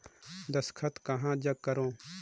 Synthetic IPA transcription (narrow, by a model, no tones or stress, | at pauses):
d̪ɐskʰɐt̪kɐɦãːd͡ʒɐɡ̚kːɐɾõː